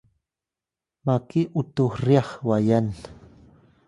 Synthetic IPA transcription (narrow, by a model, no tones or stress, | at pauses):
makiʔut̪uriɑχwajan